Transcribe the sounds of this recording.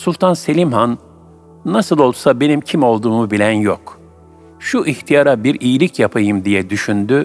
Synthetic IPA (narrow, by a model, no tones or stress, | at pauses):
sulˠt̪ʰanse̞lʲimɦanː | asɯlˠo̞lˠd̪u̥sabe̞nimcʰimo̞lˠd̪uːmubilʲænjok | ʃuʔiçt̪ʰijaɾabiɾijilʲicjapʰajɯmd̪ijɛd̪yʃynd̪y